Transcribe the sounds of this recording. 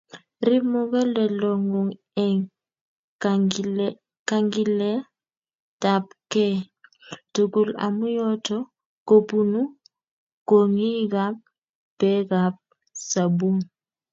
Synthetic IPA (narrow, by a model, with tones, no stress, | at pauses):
ɾi˦mɔ˦ɣɛ˦lɛ˨lɔ˨ŋɔ˨ŋ | ɛŋ | ka˦ŋɡi˦lɛ˦ | ta˨p̚kɛ˦ | tu˨ɡu˦˨la̰˨mu˦jɔ˦tɔ˦ | ko˨pu˦nu˦ | ko˨ŋi˦ɡa˦p̚ | b̥ɛ˦ɡa˨p̚ | sa˨bu˦ŋ